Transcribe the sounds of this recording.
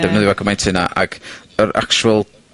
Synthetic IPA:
d̥ɛvnəðɪwakʰəmajntʰɪna̰ʔa̰ɡ̥əɾʔa̰kt͡ʃuəlˠ

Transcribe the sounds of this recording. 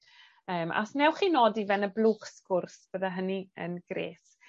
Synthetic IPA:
əːmʔa̰snɛwχiːnoːdivɛnəblˠuːχskʊrsb̥əðaɦəniə̰nɡ̥ɾḛːs

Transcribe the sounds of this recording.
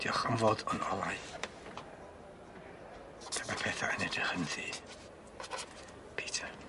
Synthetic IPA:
d̥iɔχɔnvoːdɔnɔ̰lˠaj | tʰəmapʰɛθa̰ənɛdəhənðiː | pʰiːtʰa

